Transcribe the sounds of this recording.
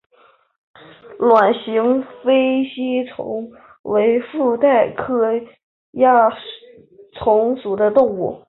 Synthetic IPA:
lwa˨˩nɕi˧˥ŋfe˥ɪɕi˥t͡sʰʊ̰˧˥ŋ | we˧˥ɪfu˥˧t̪a˥˩ɪkʰɤ˥ | ja˥˩ | t͡sʰʊ˧˥ŋsu˨˩d̪ə˦t̪ʊ˥˧ŋṵ˥˩

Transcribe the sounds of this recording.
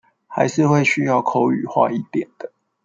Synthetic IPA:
ha˧˦ɪʂɻ̩˥˧xwe˥˨ɪɕy˦jɑ˥˨ʊkʰo˥˦ʊy̰˨˩xwa̰˥˧i˥˩t̪jɛ˨˩nd̪̥ə˦

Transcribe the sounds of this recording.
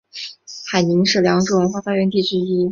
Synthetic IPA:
xa˨˩ɪni˧˥ŋʂɻ̩˥˩ljɑ˧˥ŋʈ͡ʂɻu˥˩wə˧˥nxwa˥˧fa˥˧ɥɛ˧˥nt̪i˥˩t͡ɕ̩˥i˥

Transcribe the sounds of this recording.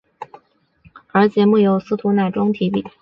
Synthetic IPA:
ə˞˧˥t͡ɕjɛ˧˥mu˥˩jo˧˩ʊsɹ̩˥t̪ʰu˧˥na˥˩ʈ͡ʂʊ˥ŋt̪ʰi˧˥pi˥˩

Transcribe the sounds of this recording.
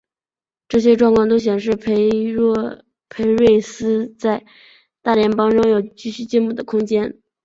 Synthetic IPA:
ʈ͡ʂɤ˥˩ɕ̬jɛ˥ʈ͡ʂwɑ˥˧ŋkʰwɑ˥˧ŋt̪o˥ʊɕ̬jɛ˨˩nʂ̬ɻ̩˥˩pʰ | pʰe˧˥ɪɻwe˥˩ɪsɹ̩˥t͡sa˥˧ɪ | t̪a˥˩ljɛ˧˥npɑ˥ŋʈ͡ʂʊ˥ŋjo˨˩ʊt͡ɕy˥˧ɕy˥˩t͡ɕjɛ˥˧nmu˥˩d̪ə˩kʰʊ˥ŋt͡ɕjɛ˥n

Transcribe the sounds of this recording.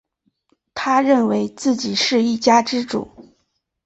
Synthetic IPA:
t̪ʰa˥ɻə˥˩nwe˧˥ɪt͡sɹ̩˥˩t͡ɕi˨˩ʂɻ̩˥˧i˥˩t͡ɕja˥ʈ͡ʂɻ̩˥ʈ͡ʂṵ˨˩˦

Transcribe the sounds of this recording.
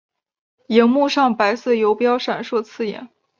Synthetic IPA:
jɛ˧˥nmu˥˧ʂɑ˥˩ŋpa˧˥ɪsɤ˥˩jo˧˥ʊpjɑ˥ʊʂa˨˩nʂwɔ˥˧t͡sʰɹ̩˥˩jɛ̰˨˩˦n

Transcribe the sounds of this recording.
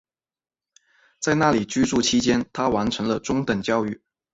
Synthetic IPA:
t͡sa˥˧ɪna˥˩li˨˩t͡ɕy˥ʈ͡ʂu˥˧˩t͡ɕʰi˥t͡ɕjɛ˥nt̪ʰa˥wa˧˥nʈ͡ʂʰɤ˧˥ŋlə˧ʈ͡ʂʊ˥ŋt̪ə˨˩ŋt͡ɕjɑ˥˧ʊy˥˩

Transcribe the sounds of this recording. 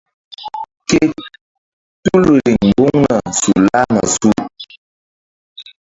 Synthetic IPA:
ke˦ | tu˦lu˨li˨ŋ̩˨bu˦ŋnə˨su˨la˦ŋə̰˨su˦˨

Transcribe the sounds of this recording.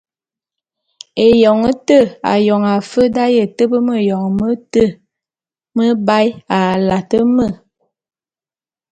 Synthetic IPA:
e˨jɔ˨ŋə˦tə˦˨a̰˨jɔ˨ŋa˨fə˦da˦jə˦˨tə˦bə˦mə˦˨jɔ˨ŋ˨mə˦tə˦˨ | mə˦ba˦ja˨la˨tə˦mə˦˨

